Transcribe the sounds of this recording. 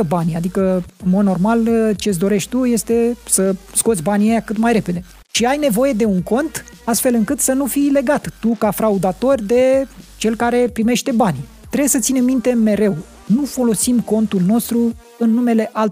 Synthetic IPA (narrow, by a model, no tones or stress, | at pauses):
əbanʲad̪ikəɨnmo̞d̪no̞rmalt͡ʃes̬ʲd̪o̞ɾe̞ʃt̪ʲt̪uje̞st̪e̞səsko̞t̪sʲbanʲjejakɨt̪majɾe̞pe̞d̪e̞ | ʃiajne̞vo̞je̞d̪e̞uŋko̞nt̪ | ast̪fe̞lɨŋkɨt̪sənufijle̞ɡat̪ːukafɾaud̪at̪o̞rʲd̪e̞t͡ʃe̞lkaɾe̞pɾime̞ʃt̪e̞banʲ | t̪ɾejesət̪sine̞mːint̪e̞me̞ɾe̞w | nufo̞lo̞simko̞nt̪ulno̞st̪ɾu | ɨnːume̞le̞ʔalt